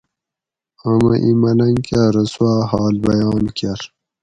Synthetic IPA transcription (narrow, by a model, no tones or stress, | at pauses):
amɐʔimɐlɐŋkaɾəswaːhɑːlbɐjɑːnkaɾ